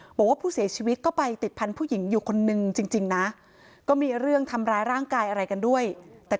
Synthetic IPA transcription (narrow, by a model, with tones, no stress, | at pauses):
bɔː˨˩˦kwaː˥˩pʰuː˥˩si˩˦ɐt͡ɕʰiː˧wi˦˥t̪̚kɔː˥˩pa˧jt̪i˨˩t̪̚pʰa˧npʰuː˥˩ji˩˦ŋjuː˨˩kʰo˧nːɯ˨˧ŋt͡ɕi˧ŋt͡ɕi˧ŋna˦˥ | kɔː˥˩miː˧ɾɯ˥˩əŋt̪ʰa˧mɾaː˧jɾaː˥˩ŋkaː˧jʔa˧ɾa˧jka˧ndu˥˩əjt̪ɛː˨˩